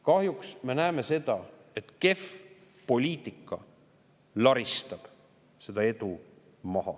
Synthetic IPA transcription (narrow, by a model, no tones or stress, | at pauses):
kɑhjuksme̞næːme̞se̞d̪̥ɑe̞t̪ke̞f | po̞lʲiːt̪ˑikːˑɑ | lɑɾist̪ɑb̥ | se̞d̪̥ɑe̞d̪u | mɑɦɑ̰